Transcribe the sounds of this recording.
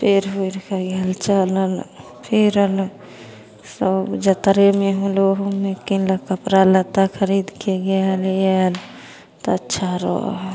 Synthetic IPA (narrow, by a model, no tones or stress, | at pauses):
pʰeɾɦeɾkəɡelt͡ʃələl | pʰiɾəl | səbd͡ʒət̪ɾemeɦũloɦomekiləkəpɾalət̪akʰəɾid̪keɡeljɛl | t̪oətːʃʰaɾɔ̰